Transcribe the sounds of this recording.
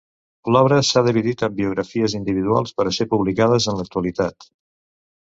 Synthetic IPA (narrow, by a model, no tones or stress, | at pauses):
lɔβɾəsaðiβiðit̪əmbiuɣ̞ɾəfiəzind̪iβiðua̰lˠspəɾəsepuβlikað̞əzənlək̚t̪uəlit̪at̪